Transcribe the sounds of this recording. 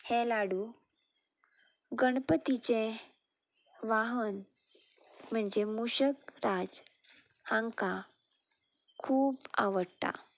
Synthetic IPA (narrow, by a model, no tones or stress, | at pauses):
helaɽu | ɡəɽpət̪it͡se | ʋaɦən | m̤əɳd͡zemuɕəkɾad͡z | hãŋka | kʰuːbaʋəɽt̪a̰